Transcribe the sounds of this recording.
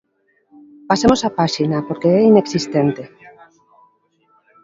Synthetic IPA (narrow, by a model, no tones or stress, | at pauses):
pasemosapaʃinapoɾkeɛineksist̪ent̪e